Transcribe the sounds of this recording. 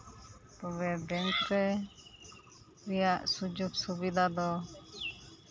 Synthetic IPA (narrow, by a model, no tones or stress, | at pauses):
t̪ɔbɛbɛŋkɾɛ | ɾijaʔsud͡ʒubsubid̪ʱad̪ɔ